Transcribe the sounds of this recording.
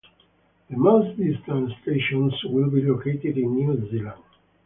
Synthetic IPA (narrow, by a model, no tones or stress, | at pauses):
ðəmasd̪ist̪ãnst̪eʃɔ̃nswɪlbilokeɪt̪ɪdĩnːjuzilãnd̥